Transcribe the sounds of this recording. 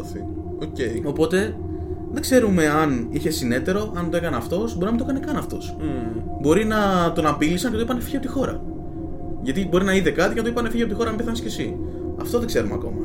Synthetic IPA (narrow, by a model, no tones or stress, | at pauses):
θi | oceo̞po̞t̪e̞ | ðe̞ɡ̥ze̞ɾume̞ɐniçe̞sine̞t̪e̞ɾo̞ʔɐnoekɐneɐft̪o̞sboɾinɐmind̪oekɐnekɐnɐft̪o̞s | bo̞ɾinɐt̪onɐpilisɐɲcet̪oipɐnefi̥çiɐpot̪ixo̞ɾɐ̰ | ʝɐt̪ibo̞ɾinɐiðe̞kɐt̪icenɐt̪oipɐnefiçeɐpot̪ixo̞ɾɐmpeθɐnesce̞si | ɐft̪o̞ðeɡ̥ze̞ɾumeɐ̰ko̞̰mɐ